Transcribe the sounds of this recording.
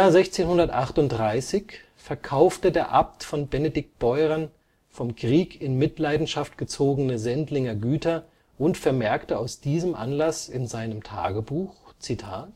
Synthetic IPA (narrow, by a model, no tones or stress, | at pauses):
jaːɐzɛçt͡seːnhʊndɐtʔaχtʊnt̚d̥ʁaɪsɪç | fɛɐkʰaʊftədeːɐʔaptfɔnbɛnedɪk̚t̚b̥ɔʏʁɐn | fɔmkʁ̥iːkʰɪnmɪtlaɪdn̩ʃaftɡ̥ət͡soːɡənəzɛntlɪŋɐɡyːtɐ | ʔʊntfɛɐmɛɐktəaʊsd̥iːzəmʔa̰nlasɪnzaɪnəmtʰa̰ːɡəbuːxt͡sitʰaːt